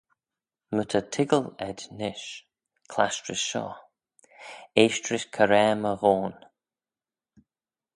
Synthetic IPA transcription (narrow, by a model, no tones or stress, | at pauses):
mətʰətʰɪɡəlɛd̪nɪʃ | kʰlaʃtɹɪsʃɔ̰ː | eːʃtɹɪʃkʰəɾɛːməvoːn